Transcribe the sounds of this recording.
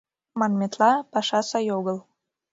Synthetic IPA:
mɑnmʲet̪lɑpɑʃɑsɑjoɣəlˠ

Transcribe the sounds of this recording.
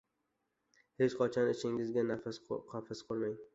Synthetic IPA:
het͡ʃqʰɒt͡ʃʰɒnɪʃɪŋɪzɡʲanafasqʰɒfɪsqʰʊɾmaŋ

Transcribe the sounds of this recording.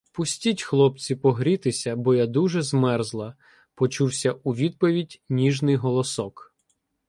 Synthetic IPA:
pʊsʲtʲitʲxlˠɔp̚t͡sʲipɔɦɾʲit̪ɪsʲɐbɔjad̪uʒɛzmɛrzlˠɐ | pɔt͡ʃuwsʲɐʔuʋʲid̪̚pɔʋʲidʲnʲiʒnɪjɦɔlˠɔsɔk

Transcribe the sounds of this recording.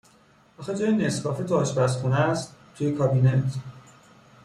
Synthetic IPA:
ʔɒxed͡ʒɒːjenesbɒːfet̪ʰoːʃbæsxunæst̪t̪ʰːujekʰɒbinet̪ʰ

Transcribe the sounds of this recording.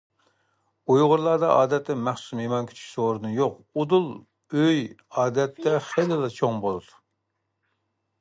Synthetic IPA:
ujʁʊɾlˠɑːd̪ɑʔɑːd̪ɛt̪ʰːɛmæχsu̥smemɑnkʲʰi̥t͡ʃʰy̥ʃʲsoɾɨd̪ɨnjoqud̪ulˠ | øj | ɑːd̪ɛt̪ʰːɛχelɪlˠɑt͡ʃʰoŋbolˠɨd̪u̥

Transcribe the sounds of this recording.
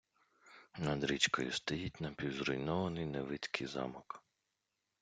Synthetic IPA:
nɐd̪ɾʲit͡ʃkɔjʊ̰st̪ɐjit̚ʲnɐpʲiwzɾɔjnɔʋɐnɪjneʋɪt̪ʲkʰɪjzɑ̰mɔk

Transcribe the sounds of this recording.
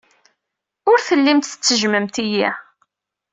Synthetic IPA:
ʊɾθəlːimt̪θə̥t͡sːəʒməmt̪iji

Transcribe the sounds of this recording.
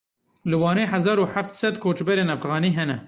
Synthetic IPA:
lɨwɑːneːħazɑːɾuːħaft̪sɛd̪kʰoːt͡ʃbɛɾeːnæfɣɑːniːɦɛnɛ

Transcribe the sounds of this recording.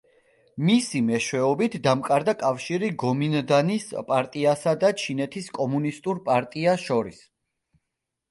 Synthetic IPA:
misimɛʃwɛɔbit̪ʰd̪amkʼaɾd̪akʼafʃiɾiɡɔmind̪anispʼaɾt̪ʼiasad̪at͡ʃʰinɛt̪ʰiskʼɔmunist̪ʼuɾpʼaɾt̪ʼiaʃɔɾḭs

